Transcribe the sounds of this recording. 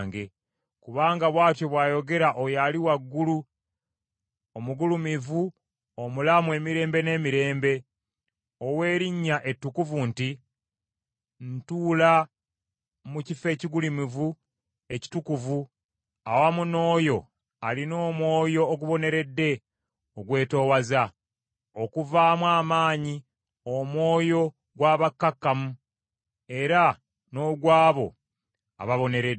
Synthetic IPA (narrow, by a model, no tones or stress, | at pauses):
ŋɡe̞ | kuβaːŋɡaβwaːtjo̞βwaːjo̞ɡe̞ɾaʔojaliwaɡːulu | omuɡulumivu | omulamwe̞ːmiɾe̞ːmbe̞ne̞ːmiɾe̞ːmbe̞ | owe̞ːɾiɲːaʔe̞tːukuvunti | ntuːla | mucife̞ːciɡulimivu | e̞ci̥tukuvu | awamuno̞ːjo̞ | alino̞ːmwo̞ːjo̞ːɡuβo̞ne̞ɾe̞dːe̞ | oɡwe̞ːto̞ːwaza | o̞kuvaːmwaːmaːɲi | omwo̞ːjo̞ | ɡwaːβakːakːamu | e̞ɾa | no̞ːɡwaːβo̞ | a̰βaβo̞ne̞ɾed